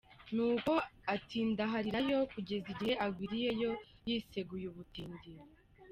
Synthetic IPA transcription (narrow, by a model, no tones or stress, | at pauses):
nuːko̞atʰiːndaɦaɾiɾajo̞kuɟe̞ziɟiheʔaɡwiːɾije̞jo̞jise̞ɡujuβutiːndiɾo